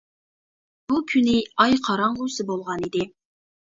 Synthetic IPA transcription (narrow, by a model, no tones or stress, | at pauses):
b̥ukʲʰynɪɑjqʰɑɾɑɴʁʊsɨbolˠʁɑnid̪ɪ